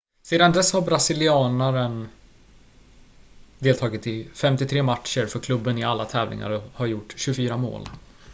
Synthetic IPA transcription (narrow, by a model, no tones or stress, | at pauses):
seːd̪and̪ɛshaɾbɾasɪlɪɑːnaɾən | d̪eːlt̪ʰɑːɡɪt̪ɪfɛmt̪ɪt̪ʰɾeːmatʂəɾfœɾkʰlɵbːənɪalːat̪ʰɛːvlɪ̰ŋa̰ɾɔhaɾjʊʈːɕɵfyːɾamo̰ːl